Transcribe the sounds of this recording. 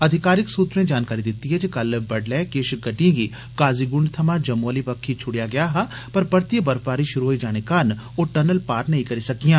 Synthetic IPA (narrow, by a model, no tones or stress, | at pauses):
ɐd̪ʱɪkaːɾɪksuːt̪ɾẽd͡ʒaːnkaːɾid̪ɪt̪ːiɦɛd͡ʒekɐlbɐɖlɛːkeːʃɡɐʈiẽɡi | kaːziɡʊ̃ɳɖt̪ʰɐmãd͡ʒɐmːolipɐkʰːit͡ʃʰʊɽijaɡɐjaɦa | pɐɾpɐɾt̪iəbɐɾpaːɾiʃʊɾuɦoid͡ʒaːñekaːn | oʈɐnəlpaːɾnɐɦĩkɐɾisɐkijãː